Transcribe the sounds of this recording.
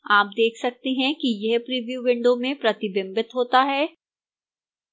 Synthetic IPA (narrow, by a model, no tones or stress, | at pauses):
aːp̚d̪eːkʰsɐk̚t̪eɦɛ̃kijɛɦpɾiːʋjuʋɪ̃ɳɖomẽpɾɐt̪ɪbɪ̃mbɪt̪ɦoːt̪aɦɛː